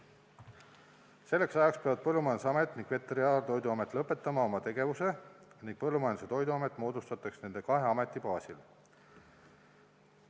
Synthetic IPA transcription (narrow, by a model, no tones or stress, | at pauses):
se̞lːeksɑjɑkspeɑvɑd̪̥̚pɤlːumɑjɑn̥seɑme̞t̪ːˑniŋɡ̥ve̞t̪ːˑeɾiɑːlt̪o̞jd̪uɑme̞t̪ːˑlɤpːˑe̞t̪ːˑɑmɑo̞mɑt̪e̞ɡ̥e̞vuse̞niŋɡ̥pɤlːumɑjɑn̥set̪o̞jd̪uɑme̞t̪ːˑmo̞ːd̪̥ust̪ɑt̪ːˑɑksne̞nd̪̥e̞kɑɦe̞ɑme̞t̪ˑːipɑːsil